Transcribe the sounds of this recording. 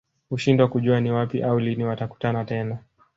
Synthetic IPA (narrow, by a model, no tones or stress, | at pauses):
huʃindwakuʄuaniwapiʔauliniwataku̥tanatɛna